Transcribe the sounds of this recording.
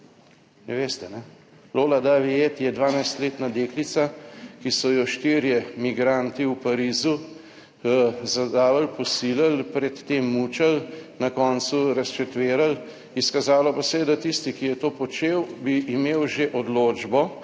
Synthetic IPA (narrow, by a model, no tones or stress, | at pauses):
nɛʋeːst̪ɛnɛ | loːlad̪aʋijet̪jɛd̪ʋaːnajst̪leːt̪nad̪eːklit̪sakisɔjɔʃt̪iːɾjɛmiɡɾant̪iwpaɾiːzu | zad̪aːʋalpɔsiːlalpɾɛt̪ːeːmːuːt͡ʃalnakɔːnsuɾɐst͡ʃɛt̪ʋeːɾal | iskazaːlɔpasɛɛd̪at̪ist̪ikijɛt̪oːpɔt͡ʃeːwbiʔːmeːwʒeʔɔd̪loːd͡ʒbɔ